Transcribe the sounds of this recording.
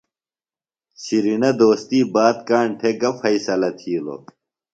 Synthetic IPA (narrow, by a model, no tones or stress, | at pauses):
ɕiɾinɐd̪oːst̪iːbaːt̪̚kaːɳʈʰeɡɐfɐisɐlɐt̪ʰiːlo̰